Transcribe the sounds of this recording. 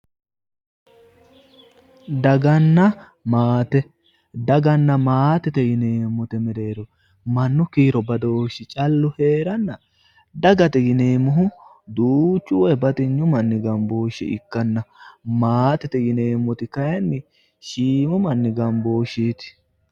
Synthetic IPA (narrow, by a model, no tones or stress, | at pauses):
d̪ɐɡɐnːɐ | maːt̪ɛ | d̪ɐɡɐnːɐmaːt̪ɛt̪ɛɡɪneːmːɔt̪ɛmɛɾe̞ːɾɔ | mɐnːʊkiːɾɔbɐd̪o̞ːʃɪt͡ʃʼɐlːʊhe̞ːɾɐnːɐ | d̪ɐɡɐt̪ɛɡɪneːmɔɦʊ | d̪uːt͡ʃːʊwɔjɛbɐt̪ɪɲːʊmɐnːɪɡɐmbo̞ːʃɛ̰ʔɪ̰kːɐnːɐmaːt̪ɛt̪ɛɡɪne̞ːmːɔt̪ɪkɐjɐnːɪ | ʃiːmʊmɐnːɪɡɐmbo̞ːʃiːt̪ɪ̥